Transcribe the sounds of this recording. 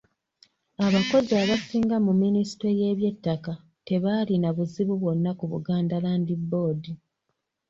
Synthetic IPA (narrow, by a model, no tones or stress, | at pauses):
aβako̞ziaβasiːŋɡamumːinisi̥teje̞ːβje̞tːaka | te̞βaːlinaβuziβuβwo̞nːakuβṵɡaːndalaːndibːo̞ːdi